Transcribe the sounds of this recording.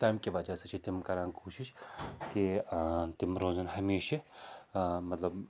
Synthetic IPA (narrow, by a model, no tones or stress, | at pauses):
t̪aːmkiʋɐd͡ʒaset͡ʃʰit̪ɪmkɐɾaːnkoːʃɪʃkit̪ɪmɾoːzɐnɦɐmeːʃe | mɐt̪lɐb